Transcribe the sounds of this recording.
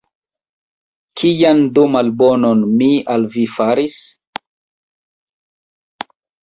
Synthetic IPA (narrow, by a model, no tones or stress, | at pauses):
kʰijandumalbononmialvifaɾis